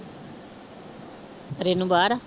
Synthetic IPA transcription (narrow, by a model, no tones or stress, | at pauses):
ɾenũbaːɾa